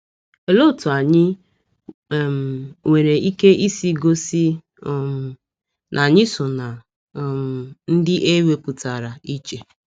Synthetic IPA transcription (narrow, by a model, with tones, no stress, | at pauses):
e˨lo˦˨tʊ˨a˨ɲɪ˦˨ | mŋʷe˨ɾe˨i˦ke˦ʔi˦si˦ɡo˦si˦ | nʔa˨ɲɪ˦sʊ˨na˨ | m˨n̩˦dɪ˦ʔe˦we˦pʊ˨ta˨ɾa˨i˦t͡ʃe˨